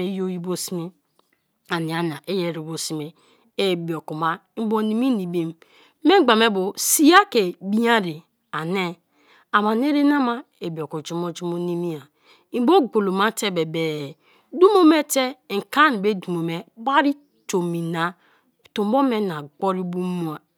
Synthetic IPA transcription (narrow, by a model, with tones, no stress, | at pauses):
e˨˦jo˦ji˦bo˦si˦mi˦ | a˨ni˨a˨n˨a˨ʔe˦je˦˨ɾi˨bo˨si˨me˨ | e˦bo˨ku˨ma˦bo˦ni˨mi˦ni˨bi˦m˦ | me˦ɡ͡ba˨me˦bo˨si˦ja˦ke˨bi˦a˦ɾi˨ | a˨ne˦ | a˨ma˨n˦e˦ɾe˦na˦ma˦ | e˨bi˨o˨ku˨d͡ʒu˦mo˦d͡ʒu˦mo˦ni˦mi˦a˨ | i˦bo˦ɡo˨lo˨ma˦te˦be˨be˨ | du˦mo˦me˦te˦˨ŋ̩˨ka˦n˨be˦du˨mo˨me˦ba˦ɾi˦ | to˨mi˨na˨ | to˨m˦bo˦me˦na˨ɡo˦ɾi˦bu˦mu˦a˨